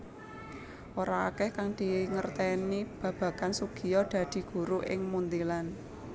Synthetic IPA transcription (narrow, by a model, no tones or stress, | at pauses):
ʔoɾa̰ːkɛhkaŋd̪̥i̤ŋərt̪ɛnib̥ä̤b̥ä̤kansuɡ̥i̤jɔd̪̥ä̤d̪̥i̤ɡ̥ṳɾuʔɪ̰ŋmund̪ilan